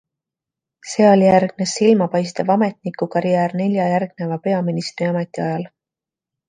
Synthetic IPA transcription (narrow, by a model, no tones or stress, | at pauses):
se̞ːo̞lʲijærɡ̥̚nesːilmɑpɑjst̪ɑvɑme̞t̪ˑnikːukɑɾijæːrne̞lʲjɑjærɡ̥ne̞vɑpe̞ɑminist̪riɑme̞t̪ˑiɑjɑl